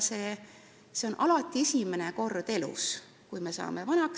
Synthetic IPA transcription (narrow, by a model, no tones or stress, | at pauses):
se̞ː | seo̞nʔɑlɑt̪ːˑiesʲimeneko̞rd̪̥e̞lṵs | kujme̞sɑ̰ːme̞vɑnɑk